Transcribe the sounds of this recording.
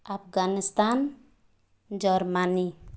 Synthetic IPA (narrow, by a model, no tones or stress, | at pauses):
apɡanist̪an | d͡ʒɔɾmani